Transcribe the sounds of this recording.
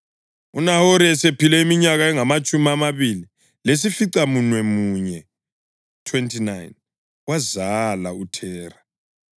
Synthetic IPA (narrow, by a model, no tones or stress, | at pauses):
unahoɾiɛsepilɛimiɲaɣaɛŋamat͡ʃʼumiamaβili | les̬ifiǀamunwɛmuɲɛ | tʰwentʰʼinajn | wazalautʰɛːra